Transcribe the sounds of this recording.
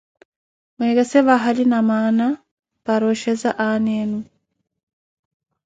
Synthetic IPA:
mwɛɣɛsɛβaɦalinamana | paɾoʃɛzaʔanenu

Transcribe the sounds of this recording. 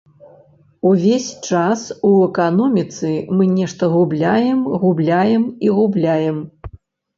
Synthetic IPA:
uvʲesʲt͡ʂasuɛkanɔmʲit̪sɨmɨnʲɛʂt̪ɐɣublʲajɛmɣublʲajɛmiɣublʲajɛm

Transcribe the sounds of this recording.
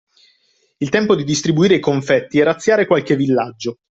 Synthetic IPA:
ilt̪ɛmpod̪id̪ist̪ɾibuiːɾeikoɱfɛt̪ːiɛɾat̪sːjaːɾekwalk̟evilːad͡ʒːo

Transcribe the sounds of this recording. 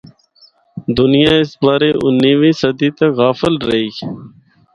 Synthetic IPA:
d̪ʊnɪjãːɪsbaːɾeːʔʊ̰nːĩːʋiːsəd̪iːt̪əkɣaːfɪlɾəɦiː

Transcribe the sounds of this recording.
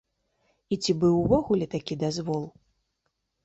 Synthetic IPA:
it͡sʲibɨwvɔɣulʲɛt̪akʲid̪azvɔlˠ

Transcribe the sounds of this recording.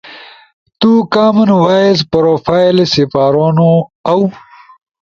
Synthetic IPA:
t̪ukaːmɐnwaːizpɐɾoːfaːjlsipaːɾoːnoɐw

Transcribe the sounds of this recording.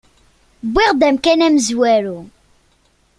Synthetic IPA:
bːiʁd̪æmkænæmzwæɾu

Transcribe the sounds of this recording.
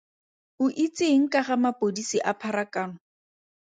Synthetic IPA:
ʊʔit͡sʼɪŋ̩kʼaχamapʼodisiʔapʰaɾakʼaːnɔ

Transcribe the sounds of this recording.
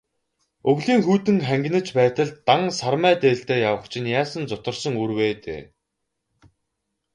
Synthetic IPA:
ɵɣɮiːŋxuːt̪ɘ̆ŋχæŋɡ̆nə̆t͡ɕpæːt̪ə̆ɮt̪aŋsarmæːt̪eːɬt̪eːjawə̆χt͡ɕʰɪ̆njaːsə̆nt͡sʊt̪ə̆rsə̆ŋurweːt̪ḛː

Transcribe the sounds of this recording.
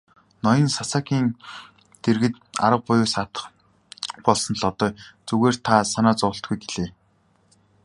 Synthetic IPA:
nɔjɞ̆nsasaːkiːn | t̪erɣɘ̆t̪̚a̰ɾə̆q̚pʊjʊːsat̪ə̥̆χ | pɔɮsɞ̆nɮɔt̪ɞːt͡suɣeːr̥t̪ʰasanaːt͡sʊ̆ːɬt̪̚ɡujɡeɮeː

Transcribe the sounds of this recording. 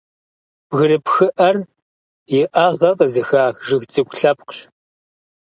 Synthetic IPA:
b̥ɣɨrɨpxɨʔɐr | jɪʔɐʁɐqʼəzɨxaːxʒɨɣt͡sʼɨkʷɬɐp̚qɕ

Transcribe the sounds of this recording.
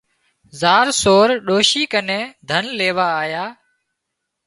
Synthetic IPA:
zaːɾsoːɾɗoːʃiːkənẽːd̪ʱənleːʋaːjaː

